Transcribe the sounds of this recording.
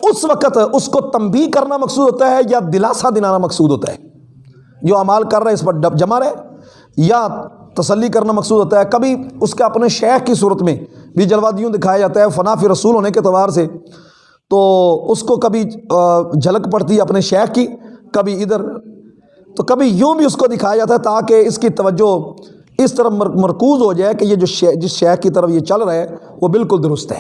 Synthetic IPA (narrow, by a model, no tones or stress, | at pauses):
ʊsʋəkət̪ʊskot̪əmbiːkəɾnamɐksuːd̪ɦoːt̪aɦɛjad̪ɪlaːsad̪ɪnaːnamɐksuːd̪ɦoːt̪a̰ɦɛ̰ː | d͡ʒoːaːmaːlkəɾːaɛɪspəɾd͡ʒəmaɾɛː | jat̪ɐsəlːikəɾnamɐksuːd̪ɦoːt̪̬aɦɛːkəbiʊskeɐpneʃɛːxkis̬uːɾət̪mẽːbʱid͡ʒəlʋaːd̪ijõd̪ɪkʰaːjed͡ʒaːt̪aɦɛfənaːfiɾəsuːlɦoːneket̪ɐʋaːɾseː | t̪oːʊskokəbʱi | d͡ʒələkpəɽt̪iɦɛɐpneʃɛːkkikɐbiɪd̪əɾ | t̪oːkɐbʱijũːbʱiːʊskod̪ɪkʰaːjad͡ʒaːt̪aɦɛt̪aːkeɪskit̪ɐʋəd͡ʒːo | ɪst̪əɾəəmɐɾkuːzɦoːd͡ʒaːekejed͡ʒoːʃd͡ʒɪsʃɛːkkit̪əɾəfjeːt͡ʃəlɾɐe | ʋoːbɪlkʊld̪ʊɾʊst̪ɦɛ̰ː